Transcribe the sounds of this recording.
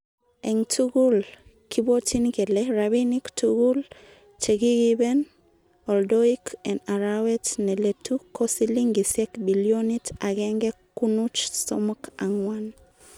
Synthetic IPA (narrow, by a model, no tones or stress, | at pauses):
ɛŋtʰuɡul | kibotinkeleɾabiniktuɡul | t͡ʃeɡiɡibɛn | ɔldoikʰɛnaɾawɛtneletukosiliŋɡisjɛkbiljonitaɡɛŋɡɛkːunut͡ʃsɔ̰mɔkaŋwan